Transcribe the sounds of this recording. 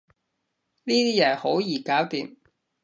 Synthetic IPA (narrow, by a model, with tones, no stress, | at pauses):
niː˥t̪iː˥jɛː˨˩ho˨˥wjiː˨˩kaː˨˥wt̪iː˨m